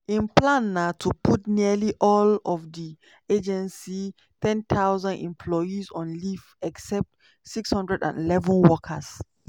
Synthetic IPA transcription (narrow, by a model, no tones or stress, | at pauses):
ĩnpʰlãnːatʰupʰutniəliʔɔlɔfdi | ed͡ʒɛ̃nsi | tʰɛ̃nt̪ʰaʊzãndɛ̰̃mpʰlɔjizɔ̃nlif | ɛksɛp̚t | sikshʌ̃ndɹɛdã̰nḭlɛvə̃nwɔkʰə̰s